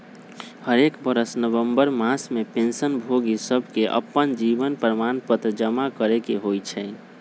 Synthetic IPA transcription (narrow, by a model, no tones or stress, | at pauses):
həɾekbəɾəsnəbəmbəɾmasmepẽnsənbʱoɡisəbʱkeʔə̰pːənd͡ʒibənpɾəmanpət̪ɾd͡ʒəmakəɾekeɦojt͡ʃʰɛ